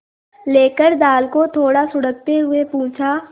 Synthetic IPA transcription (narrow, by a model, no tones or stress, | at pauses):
leːkəɾd̪aːlkot̪ʰoːɽasʊɽək̚t̪eɦʊepũːt͡ʃʰa